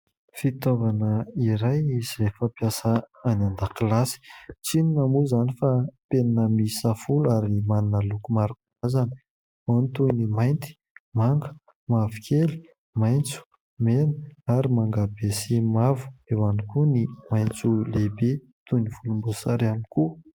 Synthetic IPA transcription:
fit̪ovanəiɾajiz̥efapjasəanand̪akilasi̥t͡sininamuzanifapenanəmisafulaɾimaninəlukumaɾukuazanə | onit̪unimajnt̪i̥ | maŋɡə̥ | mavukʰeli̥ | majnt͡su̥ | menə̥aɾimaŋɡabesimavu̥ewanikunimajnt͡sulebe | t̪univ̥ulumbusaɾaniku

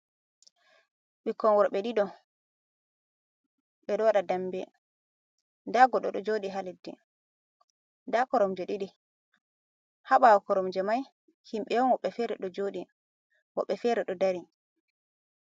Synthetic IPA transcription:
ɓikːɔnwɔɾɓɛɗidɔ | ɓɛɗɔwaɗadambɛ | daɡɔɗɔɗɔd͡ʒoɗiɦaledːɛ̰ | ndakɔɾɔmd͡ʒɛɗiɗi | haɓawɔkɔɾɔmd͡ʒɛmaj | himɓɛjɔnwɔɓːɛfɛɾɛɗɔd͡ʒoːɗi | wɔ̰ɓːɛfɛɾɛɗɔdaɾi

